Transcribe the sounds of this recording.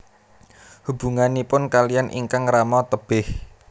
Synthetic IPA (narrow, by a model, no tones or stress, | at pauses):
hub̥uŋanipʊnkalijanʔḭŋkaŋramɔt̪əb̥ɪh